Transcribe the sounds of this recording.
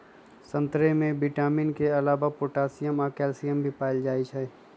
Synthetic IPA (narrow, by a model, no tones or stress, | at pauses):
sə̃nt̪ɾemẽbiʈaːmɪnkeɐlaːʋapoːʈaːsijəmaːkɛːlsijəmbʱipaːɪld͡ʒaːit͡ʃʰɛː